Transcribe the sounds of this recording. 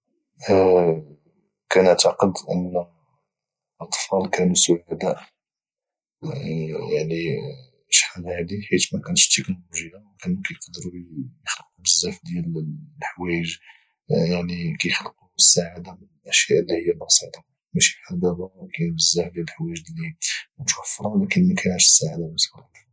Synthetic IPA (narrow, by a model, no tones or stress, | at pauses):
kænəʕt̪ɑqəd̪ʔə̰nː | ʔɑt̪ˤfɑlkænusʊʕad̪æʔ | jaʕni | ʃħalhad̪iħit̪mækænəʃt̪ːəknoluʒəjːawkænukæjəqd̪ɾujəxlq̪ubəzːæfd̪jællħwæəʒ | jaʕnikæjəxləq̪uəsːaʕad̪amənəlʔæʃjæʔlːihəjːælbɑsit̪ˤɑ | mæʃi̥ħad̪æbækænbəzːæfd̪jæləlħwæʒd̪limut̪wæfːɾˤɑlækənmækæjʕaɾʃə̥sːaʕad̪aməslat̪